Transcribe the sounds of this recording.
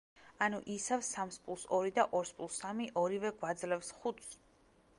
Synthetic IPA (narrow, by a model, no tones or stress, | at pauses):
anuʔisavsamspʼulˠsɔɾid̪aʔɔɾspʼulˠsamiʔɔɾivɛɡwad̪zlɛfsχut̪s